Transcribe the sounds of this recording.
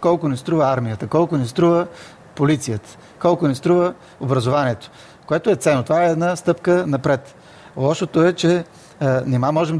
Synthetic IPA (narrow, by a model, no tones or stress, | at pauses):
kɔlˠkonist̪ɾuvəaɾmijət̪əkɔlˠkonist̪ɾuvə | polit̪sijət̪ə̥ | kɔlˠkʊnist̪ɾuvə | obɾɐzovaniət̪o̥ | koɛt̪oɛt̪sɛnːot̪ovaɛːd̪nast̪ɤpkənɐpɾɛt̪ | lˠɔʃot̪oɛt͡ʃɛ | nɛmamɔʒɛm